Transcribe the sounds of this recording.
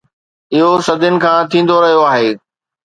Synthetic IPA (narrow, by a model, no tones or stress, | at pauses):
ɪɦosɐd̪ʱɪnɪ̆kʰãːt̪ʰĩːn̆d̪oɾɐɦijoaːɦeː